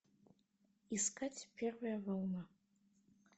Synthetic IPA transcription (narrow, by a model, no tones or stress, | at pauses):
iskʰatʲʰpʲʰervɨjavʷawna